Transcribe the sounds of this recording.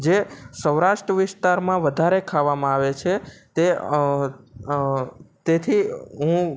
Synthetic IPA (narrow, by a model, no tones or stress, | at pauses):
d͡ʒesəwɾaʂʈɾəʋɪst̪aɾmãʋəd̪ʱaɾekʰaʋamãaʋet͡ʃʰet̪e | t̪et̪ʰiɦũ